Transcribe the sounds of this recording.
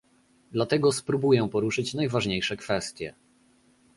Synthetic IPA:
d̪lat̪ɛɡɔspɾubujɛ̃pɔɾuʂɘt͡ɕnajvaʐɲejʂɛkfɛst̪ʲjɛ̰

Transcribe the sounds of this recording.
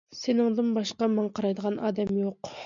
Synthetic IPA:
senɪŋd̪ɨnbɑʃqɑmɑɴqʰɑɾɑjd̪əʁɑnʔɑ̰ːd̪ɛmjoq

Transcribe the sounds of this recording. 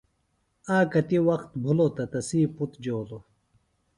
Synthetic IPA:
aːkɐt̪iwɐxt̪bʱulot̪ɐt̪ɐsiːput̪d͡ʑoːlo

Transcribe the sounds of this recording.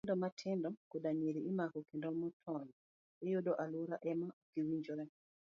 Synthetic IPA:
ndɔmatʰɪndɔkodaɲeɾiːmakɔkendɔmɔtʰɔn | ejodoʔaluɾaʔɛmaokiwiɲd͡ʒɔɾɛ

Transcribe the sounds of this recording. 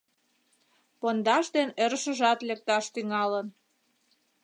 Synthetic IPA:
pond̪ɑʃd̪eneɾəʃəʒɑt̪lek̚t̪ɑʃt̪yŋɑlən

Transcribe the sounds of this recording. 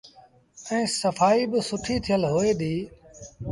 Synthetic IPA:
ɛ̃ːsəfaːiːbɪsʊʈʰiːt̪ʰɪjəlɦoːeːɗ̪iː

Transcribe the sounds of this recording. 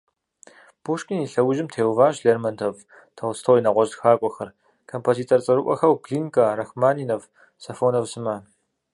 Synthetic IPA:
b̥uʂkʼiniɬɐwʊʒɪmtʰeːwvaːʒɬeːrmɐntʰɐv | tʰɐwstʰowinɐʁʷɔʒtxaːkʷʼɔxɐr | kʰompʰoːziːtʰort͡sʼɐɾɨʔʷɔ̰xɐwɡɮiːŋkʰʼɐrɐxmaːniːnɐv | sɐfoːnɐvsɨmɐ

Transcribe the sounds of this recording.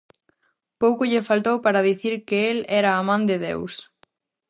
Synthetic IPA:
powkoʎɪfalt̪owpaɾɐðiθiɾkeelɛɾɐːmãnd̪ɪðḛws

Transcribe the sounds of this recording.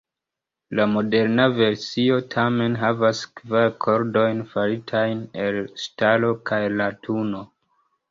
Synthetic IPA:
lamo̞de̞ɾnave̞ɾsio̞tʰame̞nɦavaskvaɾkʰo̞ɾdo̞jnfaɾitʰajne̞lstalo̞kʰajlatʰuno̞

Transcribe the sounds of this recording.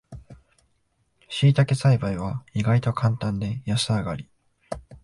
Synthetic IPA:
ɕiːt̪ake̞saibaiβaiɡait̪o̞kʰãnt̪ãnd̪e̞jasɨaɡaɾʲi

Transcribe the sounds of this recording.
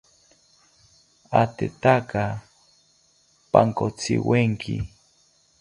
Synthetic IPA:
at̪et̪aka | paŋkot͡sʰɪ̰weŋkʰi

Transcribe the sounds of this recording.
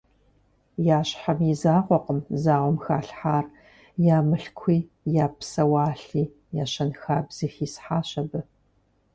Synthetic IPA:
jaːɕħamizaːʁʷɔqəmzaːʁʷɔmxaːɬħaːr | jaːmɨɬkʷʰiː | jaːpsɐwaːɬiː | jaːɕɐnxaːbz̥ɨxiːsħaːɕɐbɨ

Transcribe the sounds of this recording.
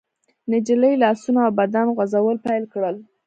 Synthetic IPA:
nɪd͡ʒiləjlɑsunaawbad̪anɣwazawəlpajlkɽəl

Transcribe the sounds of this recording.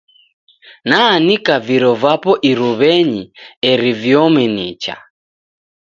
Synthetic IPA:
nanikaviɾɔvapɔʔiɾuβɛɲiɛɾivjɔmɛnit͡ʃa̰

